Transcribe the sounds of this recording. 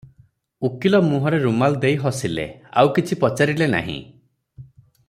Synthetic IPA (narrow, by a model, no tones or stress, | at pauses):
ukilɔmuɦɔɾeɾumald̪ejɦɔsilḛa̰wkit͡ʃʰipɔt͡ʃaɾilena̰ɦḭ̃